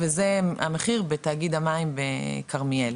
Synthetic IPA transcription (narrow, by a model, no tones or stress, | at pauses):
vezea̰meχiʁbet̪aːɡid̪amaimbekʰaʁmiel